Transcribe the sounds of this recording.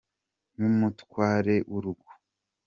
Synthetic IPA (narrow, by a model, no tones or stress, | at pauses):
numutkwaːɾe̞ʔuɾuɡu̥